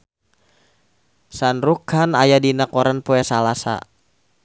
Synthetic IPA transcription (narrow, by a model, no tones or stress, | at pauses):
sanrukʰanajadinakɔɾanpoɛsalasa̰